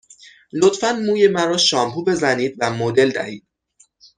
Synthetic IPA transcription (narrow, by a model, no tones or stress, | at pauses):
lot̪fænmuːje̞mæɾɒːʃɒːmpʰuːbe̞zæniːd̪væmod̪e̞ld̪æ̰hiːd̪̥̚